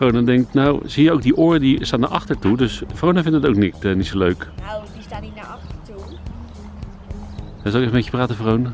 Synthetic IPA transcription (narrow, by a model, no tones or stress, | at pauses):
frownədɛŋk̚tnowz̥ijəowk̚diʔʊːrədistaːtnaːɹʔɑχtəɹtudɵsəfrownəvɪndəətowknitənitsoløɥk | ɛzɑlkɪfəmeçəpraːtəfrownə